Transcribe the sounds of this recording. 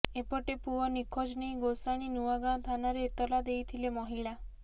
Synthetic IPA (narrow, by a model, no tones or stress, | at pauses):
epɔʈepuɔnikʰɔd͡ʒnej̃ɡosaɽ̃inuaɡãt̪ʰanaɾeːt̪ɔlad̪ejt̪ʰilemɔɦiɭa